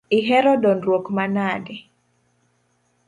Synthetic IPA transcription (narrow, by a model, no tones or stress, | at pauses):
iɦɛɾɔdɔnrwokmanadɛ